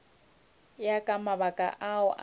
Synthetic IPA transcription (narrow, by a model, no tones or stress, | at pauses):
jakʼamaβakʼa̰ʔaʊʔ